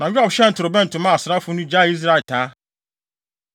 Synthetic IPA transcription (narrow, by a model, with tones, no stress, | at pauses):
nã˨ju˦ɔ˨bɕɛ˦n̩˨tʰʊ˨ɾʊ˨bɛ̃˦n̩˨tʰʊ̃˨˦mã˦˨a˨sʊ˨ɾa˦fʊ˦nʊ̃˦d͡ʑa˦˨i˦s̬ɾa˦˨tʰaː˨˦